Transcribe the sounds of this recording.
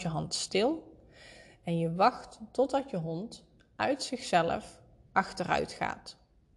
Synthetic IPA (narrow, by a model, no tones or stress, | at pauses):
jəɦɑntstɪlˠ | ɛnjəʋɑχtːɔd̚dɑtjəɦɔnt | œɥtsɪχsɛlə̰f | ʔɑxtərœ̰ɥtχa̰ːt